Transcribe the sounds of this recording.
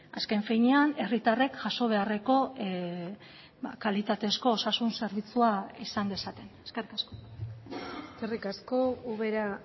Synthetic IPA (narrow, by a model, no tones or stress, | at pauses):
aske̞ɱfijɲeane̞rit̪are̞kʝaso̞β̞e̞are̞ko̞ | ba̰kalit̪at̪e̞sko̞ːsasunse̞ɾβ̞it͡suaisand̪e̞sat̪e̞neskerikasko̥ | kerikaskouβeɾa